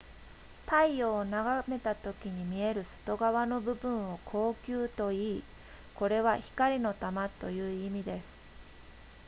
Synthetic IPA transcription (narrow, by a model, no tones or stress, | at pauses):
t̪aioːnaɡame̞t̪at̪o̞kʲiɲ̟imʲie̞ɾɯ̟so̥t̪o̞ɡaβano̞bɯ̟bɯ̟̃ɰ̃o̞kʰo̞ːkʲɨːt̪o̞iː | ko̞ɾe̞βaçi̥kaɾʲino̞t̪amat̪o̞̰jɯ̟ːimʲid̪e̞sɨ̥